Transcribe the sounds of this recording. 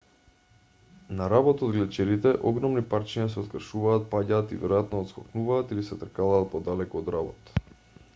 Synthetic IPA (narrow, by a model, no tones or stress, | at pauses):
naɾabɔt̪od̪̚ɡlɛt͡ʃɛɾit̪ɛʔɔɡɾɔmnipart͡ʃiɲas̬ɛot̪kr̩ʃuvaːt̪̚paɟaːt̪ivɛɾɔjat̪nɔːt̪skɔknuvaːt̪ilisɛt̪r̩kalaːt̪̚pɔd̪alɛkɔːd̪ɾabɔt̪